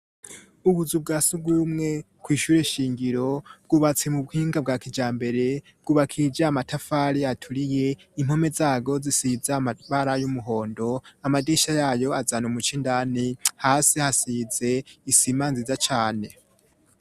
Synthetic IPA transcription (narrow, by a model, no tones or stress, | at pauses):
uβuzub̚ɡaːsuɡwuumŋe̞ | kwiːʃuɾeʃiːŋɡiɾo̞bɡuːβat͡semuβhiːŋɡab̚ɡaːkid͡ʒaːmbe̞ɾe̞ | b̚ɡuːβakʰid͡ʒaamatʰafaːɾiatʰuɾije̞im̥ho̞me̞zaːɡo̞zisizaaβaɾajumuɦo̞ːndo̞amadiːʃajaːjo̞azanomut͡ʃindaːnihaːsihasize̞isiːmaːnzizat͡ʃaːne̞